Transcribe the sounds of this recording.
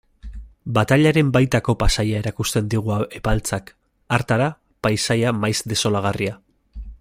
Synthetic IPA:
bat̪aʎaɾe̞mbajt̪ako̞pasajae̞ɾakust̪e̞nd̪iɣ̞uae̞palt͡sak | aɾt̪aɾa | pajsajamajzd̪e̞so̞laɣ̞aria

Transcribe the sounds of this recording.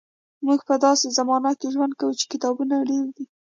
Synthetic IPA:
muɡpəd̪ɑsezamɑnat̪̚keʒwand̪̚kawut͡ʃe̥kɪt̪ɑbunaɽewd̪i

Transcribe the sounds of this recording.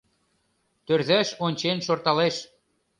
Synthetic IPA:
t̪ørðæʃonʲt͡ɕenʃort̪ɑleʃ

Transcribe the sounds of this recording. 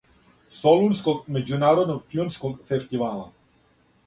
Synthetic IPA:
sɔlunskɔkʼmɛd͡ʒunaːɾod̪nɔfilmskɔkfɛst̪ival

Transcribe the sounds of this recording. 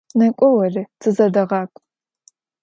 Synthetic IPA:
nɐkʷʼɔwɐrɨt͡sʰɨzɐdɐʁɑːkʷʼ

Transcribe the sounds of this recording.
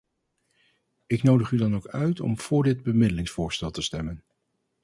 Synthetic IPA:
ɪknowdəχydɑnowkœɥtʰɔ̰mv̥ʊːɹdɪd̚bəmɪdəlɪŋsfʊːɹstɛlˠtəstɛmən

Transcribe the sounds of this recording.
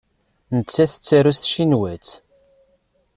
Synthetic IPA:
nət͡sːæθət͡sːæɾusθʃinwæt͡s

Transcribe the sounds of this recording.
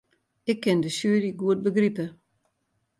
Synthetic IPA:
ɪkʰːɪndəsyːɾiɡuət̚bəɡripə

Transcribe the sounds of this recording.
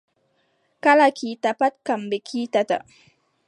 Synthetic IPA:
kalakʰit̪apat̪̚kambekʰit̪at̪a̰

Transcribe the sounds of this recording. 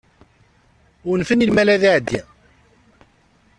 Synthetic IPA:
ʊɾnfənilmælæðiʕəd̪ːi

